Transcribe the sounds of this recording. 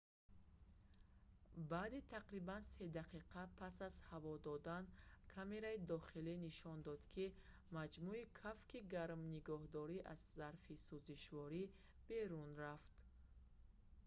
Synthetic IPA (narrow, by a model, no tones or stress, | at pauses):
baːd̪it̪ʰaqɾibanse̞d̪aqʰiqʰapʰasazhavɔd̪ɔd̪ankʰame̞ɾaid̪ɔχiliniʃɔnd̪ɔd̪kʰi | mad͡ʒmuikʰafkiɡaɾmniɡɔhd̪ɔɾiʔazːaɾfisuziʃvɔɾi | b̥e̞ɾunɾaft̪